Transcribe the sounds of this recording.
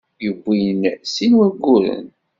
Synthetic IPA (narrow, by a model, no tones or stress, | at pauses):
jəbʷːinsinwæɡʷːuɾə̰n